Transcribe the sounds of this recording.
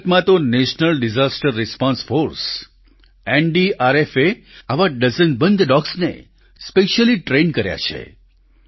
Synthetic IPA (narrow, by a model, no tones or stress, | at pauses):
t̪mãt̪oneʃnəlɖid͡ʒasʈəɾːɪspɔ̃nsfoɾs | enɖiaɾefeaʋaɖəzənbənd̪ɖɔksnḛ | speʃəliʈɾenkəɾja̰t͡ʃʰḛ